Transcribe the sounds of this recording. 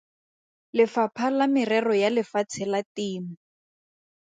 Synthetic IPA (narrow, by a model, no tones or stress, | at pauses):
lɪfapʰalamɪrɛrɔjalɪfat͡sʰɛlatiːmʊ